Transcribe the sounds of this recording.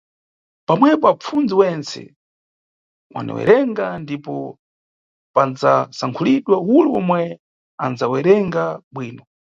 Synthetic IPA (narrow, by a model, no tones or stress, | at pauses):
pamwɛpɔap͡fund͡ziwɛnt͡sɛ̰ | wʔa̰nɛ̰wɛ̰ɾɛŋɡandipɔ | pand͡zasaŋkʰuliɗwawuluwɔmwɛ | anzawɛɾɛŋɡaɓwiːnɔ